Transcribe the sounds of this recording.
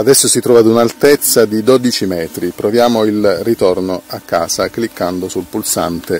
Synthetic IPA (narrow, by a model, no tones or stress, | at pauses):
ad̪ɛsːosit̪ɾɔːvad̪unalt̪et̪sːad̪id̪od̪it͡ʃimɛːt̪ɾipɾovjaːmoilrit̪ɔrnoakːa̰ːzaklikːand̪osulpulsa̰nt̪e